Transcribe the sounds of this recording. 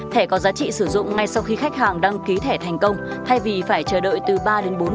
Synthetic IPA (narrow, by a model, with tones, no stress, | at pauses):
t̪ʰe˧˩kɔ˨˦zaː˨˦t͡ɕḭ˧˨sɨ˧˩zʊ̰˧˨ŋ͡mŋa˧jsa˧wxi˧xa˦˥jk̟̚haː˨˩ŋɗaː˧ŋki˨˦t̪ʰe˧˩t̪ʰa˨˩jŋ̟kə˧wŋ͡m | t̪ʰa˧jvi˨˩faː˧˩jt͡ɕəː˧˩ɗə̰ː˧˨jt̪ɨ˨˩ɓaː˧ɗe˨˦nɓo˨˦n